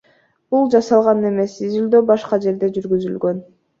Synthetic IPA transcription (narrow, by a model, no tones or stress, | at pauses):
b̥ulˠd͡ʒɑsɑlˠʁɑnɯne̞me̞sizyld̪øːbɑʃqɑd͡ʒe̞ɾd̪e̞d͡ʒyɾɡyzylɡø̞n